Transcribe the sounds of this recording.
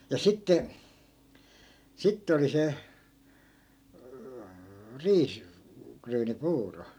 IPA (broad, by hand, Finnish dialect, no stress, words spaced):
jɑ sitːe sitːe oli se riːs kryːnipuːro